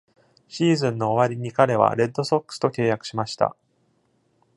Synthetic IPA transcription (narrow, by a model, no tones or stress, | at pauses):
ɕiːzɨ̃nːo̞ːβaɾʲiɲ̟ikaɾe̞βa̰ɾe̞d̪ːo̞so̞kːɯ̥sɨ̥t̪o̞kʲe̞ːjakɯ̟̥ɕimaɕi̥t̪a̰